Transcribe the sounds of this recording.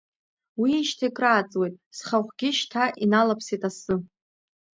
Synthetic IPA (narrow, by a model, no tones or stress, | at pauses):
wiʃtʰaikʼraːt͡sʼwejtʼsχaχʷɡʲɪʃtʰaʔinalapʰsitʼasɨ